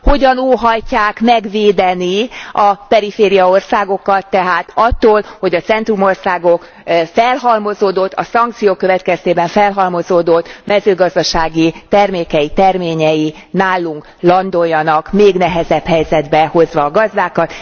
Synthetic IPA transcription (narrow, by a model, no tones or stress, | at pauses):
ho̞ɟɒnuːɦɒjcːaːkmɛɡʋeːd̪ɛniɒpɛɾifeːɾijɒo̞rsaːɡo̞kɒt̪ːɛɦaːt̪ɒt̪ːoːlho̞ɟɒt̪sɛnt̪rumo̞rsaːɡo̞k | fɛlɦɒlmo̞zoːd̪o̞t̪ːɒ̰sɒŋk̚t̪sijoːkːøvɛt̪kɛst̪eːbɛɱfɛlɦɒlmo̞zoːd̪o̞t̪ːmɛzøːɡɒzd̪ɒʃaːɡit̪ɛrmeːkɛjit̪ɛrmeːɲɛji | naːlːuŋk | lɒnd̪o̞jːɒnɒkmeːɡnɛɦɛzɛphɛjzɛd̪bɛho̞zʋɒːɡɒzd̪aːkɒt̪